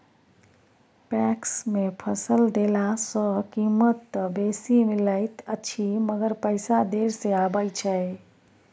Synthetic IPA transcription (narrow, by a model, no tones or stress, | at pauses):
pɛksmepʰəsəld̪elasə̃kimət̪ːbesimiləɪt̪əːt͡ʃʰiməɡəɾpəɪsad̪eɾseabəjt͡ʃʰɛ